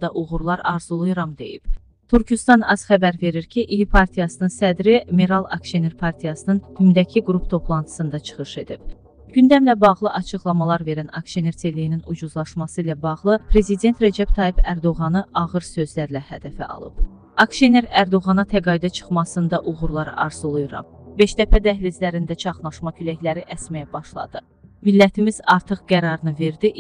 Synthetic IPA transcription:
nd̪ɑʔuʁuɾlˠɑɾɑɾz̥ulˠujɾɑmd̪e̞̰jḭb̥ | t̪ʰyɾcʰyst̪ɑnɑz̥χæbæɾve̞ɾiɾcʰiʔiipʰɑɾt̪ʰijɑsɯnɯnsæd̪ɾimeɾɑlˠɑ̰kʃeneɾpʰɑɾt̪ʰijɑsɯnɯnhymd̪æcʰiɡɾupt̪ʰo̞pʰlˠɑnt̪ʰɯ̥sɯnd̪ɑt͡ʃʰɯ̥χɯʃe̞d̪ib̥ | ɟ̥ynd̪æmlæbɑʁlˠɯʔɑt͡ʃʰɯχlˠɑmɑlˠɑɾve̞ɾænɑkʃeneɾt̪ʰe̞lijininud͡ʒuzlˠɑʃmɑsɯilæbɑʁlˠɯpʰɾe̞zid̪e̞nt̪ɾæd͡ʒæbt̪ʰɑjibæɾd̪o̞ʁɑnɯʔɑʁɯɾsø̞zlæɾlæhæd̪æfæ̰ʔɑ̰lˠɯ̰b̥ | ɑkʃene̞ɾæɾd̪o̞ʁɑnɑt̪ʰæɡɑid̪æt͡ʃʰɯ̥χmɑsɯnd̪ɑʔuʁuɾlˠɑɾɯ̰ʔɑɾzɯlˠujuɾɑ̰mbe̞ʃd̪æpʰæd̪æɦlizlæɾind̪æt͡ʃʰɑχnˠɑʃmɑcʰylæçlæɾiʔæsmæjæbɑʃlˠɑ̰d̪̥ɯ | milːæt̪ʰimiz̥ɑɾt̪ʰɯχɡ̥æɾɑɾɯnɯve̞ɾd̪iʔ

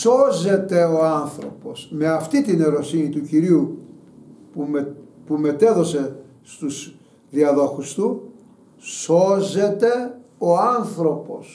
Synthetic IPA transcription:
so̞ze̞t̪e̞o̞anθɾo̞̰po̞̰sme̞ɐft̪it̪ine̞ɾo̞sinit̪uciɾiu | pumepume̞t̪e̞ðo̞se̞ | st̪uz̥ | ðiɐðo̞xust̪u | so̞ze̞t̪e̞oanθɾo̞po̞̰s

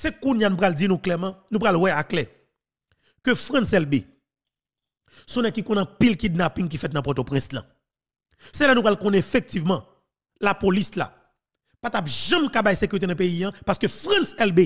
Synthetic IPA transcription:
sekũnjanũpɣald͡zinũklɛmãnũpɣalwɛaklɛ | køfʁãnsɛlbe | sɔ̃nɛ̃kikɔ̃nɐ̃pilkid̪̚napĩŋk̬ifɛt̪̬nɐ̃pɔt̪opʁɛ̃slã̰ | sɛlanũpʁalkɔ̃nɛefek̚tivmã | lapolisla̰ | pat̪apʒɐ̃mkabajsekyʁit̬enɐ̃pejijãpaskøfʁãnsɛlbe

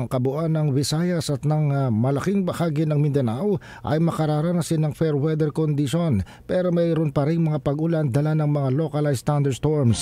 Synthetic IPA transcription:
ŋkɐbʊʔanɐŋbɪsajɐsɐt̪nɐŋmɐlɐkɪŋbɐhaːɡɪnɐŋmɪnd̪ɛnaw | ʔɐ̰jmɐkɐɾaɾanɐsɪnɐŋfɛɾwɛd̪ɛɾkond̪ɪʃon | pɛɾomɐjɾonpɐɾɪŋmɐŋapɐɡʊland̪ɐlanɐŋmɐŋalo̞kɐlast̪and̪ɛɾst̪oɹms

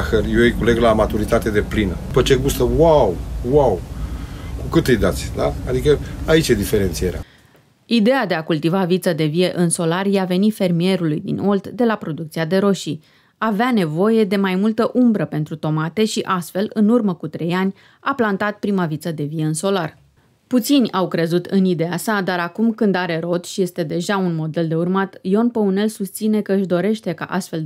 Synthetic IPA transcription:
xərjoijkule̞ɡlamat̪uɾit̪at̪e̞d̪e̞plinə̰pət͡ʃe̞ɡust̪əwawwaw | kukɨt̪ɨjd̪at̪sʲd̪aad̪ikəait͡ʃje̞d̪ife̞ɾe̞nt̪sijeɾea̰ | id̪e̞jad̪e̞akult̪ivavit̪səd̪e̞vije̞ʔɨnso̞larjeave̞nife̞rmie̞ɾulujd̪ḭno̞ld̪d̪e̞lapɾo̞d̪uk̚t̪siad̪e̞ɾo̞ʃi | aveane̞vo̞je̞d̪e̞majmult̪əʔumbɾəpe̞nt̪ɾut̪o̞mat̪e̞ʃiʔast̪fe̞lɨnurməkut̪ɾe̞janʲ | aplant̪at̪̚pɾimavit̪səd̪e̞vije̞ɨnso̞lar | put̪sinʲawkɾe̞zut̪ɨnid̪e̞asad̪aɾakumkɨnd̪aɾe̞ɾo̞t̪ʃije̞st̪e̞d̪e̞ʒaunmo̞d̪e̞ld̪e̞urmat̪jo̞npəune̞lsust̪sine̞kəɨʃd̪o̞ɾe̞ʃt̪e̞ka̰ʔast̪fe̞l

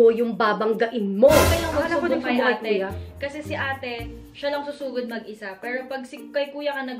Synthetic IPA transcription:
ojʊŋbaːbɐŋɡɐʔɪnmokɐjlɐŋʊaapod̪ʊŋsɐjʊʔaɐt̪̚okɐsɛsɪʔaːt̪ɛ | ʃɐlɐŋsʊsuːɡɐd̪̚mɐɡʔɪsapɛːɾopɐɡ̚sɪkɐjkuːjɐkɐnɐɡ

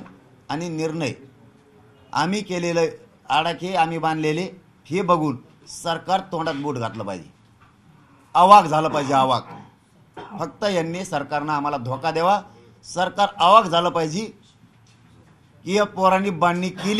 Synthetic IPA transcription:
añiniɾɳəj | a̰m̤iːkelelə | aɽakʰeam̤iːbãnd̪lele | hebəɡʱuːn | səɾkaɾt̪õɳɖat̪̚buʈɡʱat̪ləːpa̰ɦjd͡ʑḛ | əʋaɡd͡zʱaləːpajd͡ʑeaʋa̰ɡ | fək̚t̪əjanːesəɾkaɾnaːm̤alad̪ʱokad̪eʋa | səɾkaɾəʋaɡd͡zʱaləːpajd͡ʑiː | kiapoɾaniːbaɳːiːkil

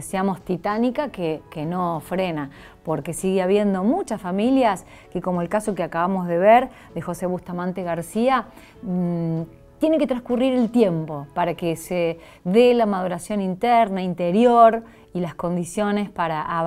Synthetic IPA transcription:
esiamost̪it̪anikakekenofɾena | po̞ɾke̞siɣeaβje̞nd̪o̞mut͡ʃasfamiljas | keko̞moelkasokeakaβamo̞zðe̞βeɾ | ðexo̞seβust̪amãnt̪eɣaɾsia | t̪je̞neke̞t̪ɾãskuriɾe̞lt̪je̞mpo̞paɾakese | ðelamað̞uɾasjo̞nint̪ɛɾnaint̪eɾjo̞ɾ | ilasko̞nd̪isjo̞ne̞spaɾaʔa

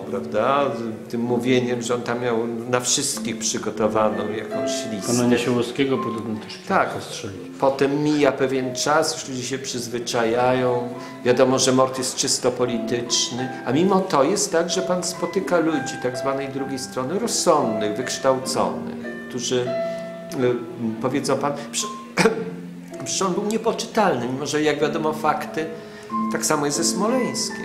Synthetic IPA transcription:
pɾavd̪at̪ɘmːuvʲjeɲɛmʐɛɔnt̪amːʲjawnafʂɘst̪kʲixpʂɘɡɔt̪ɔvanɔ̃w̃jakɔ̃w̃ɕlʲikɔnaɲaɕɛwɔskʲɛɡɔpud̪ɛɡ̪nɛt̪ɛʂkʲt̪akstʂɛ | pɔt̪ɛmːʲijapɛvʲjɛnt͡ʂasjuʂlud͡ʑiɕɛpʂɘzvɘt͡ʂajajɔ̃w̃ | vʲjad̪ɔmɔʐɛmɔɾt̪jɛst̪̚t͡ʂɘst̪ɔpɔlʲit̪ɘt͡ʂnɘamʲimɔt̪ɔjɛst̪ːaɡʐɛpanspɔt̪ɘkalud͡ʑit̪aɡzvanɛjd̪ɾuɡʲejst̪ɾɔnɘɾɔsːɔnd̪nɘɣvɘkʂt̪awt̪sɔ̰nɘ̰xkt̪uʐɘ | pɔvʲjɛd̪zɔ̃w̃panpʂɛ | pʂɛ̥ʂɔnbɘwɲɛpɔt͡ʂɘ̥t̪alnɘmʲimɔʐɛjaɡvʲjad̪ɔmɔfakt̪ɘ | t̪aksamɔjɛst̪zɛsmɔlɛj̃skʲɛ̰

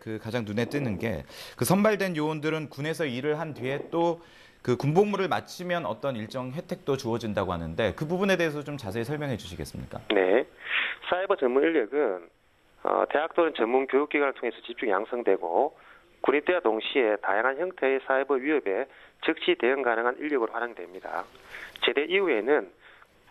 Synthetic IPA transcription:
kɯkad͡ʑaŋnune̞t͈ɯnɯnɡe̞̰kɯsʰʌnbaɭdwe̞njoondɯɾɯnkune̞sʰʌiɾɯɭɦandɥie̞t͈o | kɯkumboŋmuɾɯɭma̰t͡ɕʰimjʌnʌ̰t͈ʌniɭt͡ɕ͈ʌŋɦe̞tʰe̞k̚t͈ot͡ɕuʌd͡ʑindaɡoɦanɯnde̞kɯbubune̞de̞ːs̬ʰʌt͡ɕomt͡ɕas̬ʰeːsʰʌɭmjʌŋɦe̞d͡ʑuɕʰiɡes͈ɯmɲḭk͈a̰ne̞ | sʰaibʌt͡ɕʌnmuniɭːjʌɡɯn | ʌ̰te̞ɦak̚t͈onɯnt͡ɕʌmːunkjojuk͈̚iɡwanɯɭtʰoŋe̞sʰʌt͡ɕip̚t͡ɕ͈uŋja̰ŋsʰʌŋdwe̞ɡo̰ | kunit͈eatoŋɕʰie̞ta̰jaŋɦançjʌŋtʰe̞esʰaibʌɥiɦʌbe̞t͡ɕɯk̚ɕ͈ʰite̞jɯŋɡanɯŋɦaniʎːʌɡɯɾoɸwaɾjaŋdwe̞mɲida̰t͡ɕe̞de̞ʔiue̞nɯn

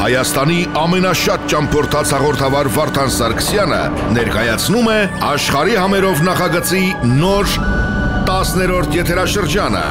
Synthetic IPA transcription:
hɑ̰jɑst̪ɑniɑmɛnɑʃɑt̪̚t͡ʃɑmpʰɔɾt̪ʰɑt͡sʰhɑʁɔɾt̪ʰɑvɑɾvɑɾt̪ʰɑnsɑɾkʰə̥sjɑnə̰ | nɛɾkɑjɑt͡sʰnumɛɑʃχɑɾihɑmɛɾɔvnɑχɑɡət͡sinɔɾ | t̪ɑsnɛɾɔɾt̪ʰjɛt̪ʰɛɾɑʃəɾd͡ʒɑnə̰

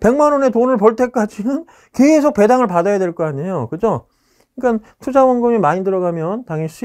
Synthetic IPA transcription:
pe̞ŋmanʌne̞tonɯɭpʌɭt͈ʰe̞k͈ad͡ʑinɯn | ke̞s̬ʰok̚p͈e̞daŋɯɭpadajadwe̞ɭk͈ʌaɲejokɯd͡ʑo | iɭk͈an | tʰud͡ʑawʌnɡɯmimaɲidɯɾʌɡamjʌntaŋiɕ͈ʰi

